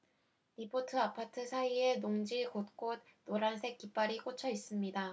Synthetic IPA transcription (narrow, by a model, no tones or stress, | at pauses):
nipʰotʰɯapʰatʰɯsʰaie̞noŋd͡ʑiɭkot̚k͈od̚ːoɾansʰe̞k͈̚ːip͈aɾik͈ot͡ɕʰʌis͈ɯmɲida